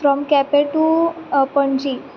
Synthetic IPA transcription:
fɾɔmkɛpeʈupəɳd͡ʒi

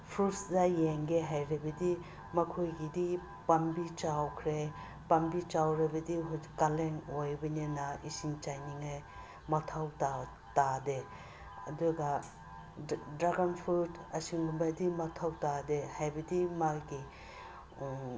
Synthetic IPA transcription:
pʰɾutsdajeŋɡeɦajɾebɐdi | mɐkʰojɡidi | pambit͡ʃawkʰɾe | pambit͡ʃawɾabɐdiɦkaleŋojbɐnenaisiŋt͡ʃajniŋaj | mɐtʰawta | tade | ɐ̰duɡa | dɾaɡanpʰɾutʰɐsiŋɡumbajdimɐtʰawtadehajbɐdimaɡi

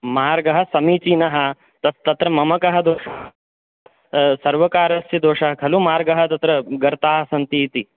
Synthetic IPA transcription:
maːɾɡɐɦɐ̆sɐmiːt͡ʃinɐɦɐ̆ | t̪ɐst̪ɐt̪ɾɐmɐmɐkɐɦɐ̆d̪oːʂɐːɦ | sɐɾʋɐkaːɾɐsjɐd̪oːʂɐɦɐkʰɐlumaːɾɡɐɦɐ̆t̪ɐt̪ɾɐɡɐɾt̪aːɦɐsɐnt̪iːt̪i

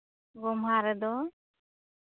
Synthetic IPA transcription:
ɡɔmɦaɾəd̪ɔ

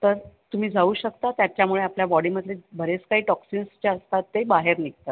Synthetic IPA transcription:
t̪əɾt̪um̤iːd͡zauːɕəkt̪at̪jat͡ɕjamuɭeapljabɔɽiːməd̪ʱlebʱəɾet͡skaɦiːʈɔksinst͡ɕaəst̪at̪ːebaɦeɾnik̚t̪a

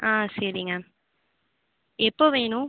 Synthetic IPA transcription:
ãːsɐɾɪŋɡɐ | ɛpːoːʋeːnʊ̃

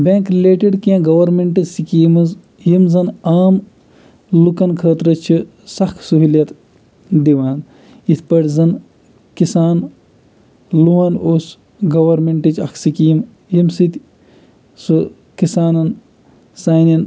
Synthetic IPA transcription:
bʲẽːŋkɾileːʈiɖkiãːɡɐwɐɾmeɳʈɐsikiːmɐz | jimzɐnaːm | lukɐnkʰəːt̪ɾɐt͡ʃʰi | sɐkʰsuɦiljɐt̪ | d̪iʋaːn | it̪ʰpɐɽʲzɐn | kisaːn | luʋaːnoːs | ɡɐwɐɾmeɳʈit͡ʃɐkʰsikiim | jimsit̪ʲ | su | kisaːnɐn | saːnɐn

